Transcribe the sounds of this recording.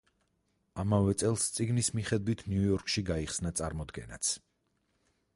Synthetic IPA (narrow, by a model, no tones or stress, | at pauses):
amavɛt̪sʼɛlˠst̪sʼiɡnismiχɛd̪wit̪ʰniujɔɾkʼʃiɡaiχsnat̪sʼaɾmɔd̪ɡɛ̰na̰t̪sʰ